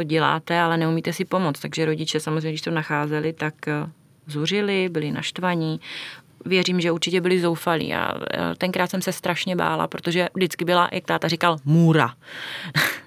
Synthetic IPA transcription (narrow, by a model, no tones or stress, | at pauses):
t̪oɟɛla̰ːt̪ɛalɛnɛumiːt̪ɛsɪpo̞mot͡st̪aɡʒɛɾo̞ɟɪt͡ʃɛsamozrejɲɛɡdɪʃst̪onaxaːzɛlɪt̪ak | zur̝ɪlɪbɪlɪna̰ʃt̪vaɲi | vjɛriːmʒɛuɾt͡ʃɪcɛbɪlɪzo̞wfalḭːʔa̰t̪ɛŋkɾaːt̪sɛmsɛst̪ɾaʃɲɛba̰ːla̰pɾo̞t̪o̞ʒɛvdɪt͡skɪbɪla̰jʔak̚t̪aːt̪arɪkalmuːɾa̰